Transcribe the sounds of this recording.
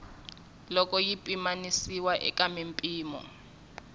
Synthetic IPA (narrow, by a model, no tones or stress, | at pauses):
lɔkʼɔjipʼimanisiwaʔɛ̰kamimpʼiːmɔ̰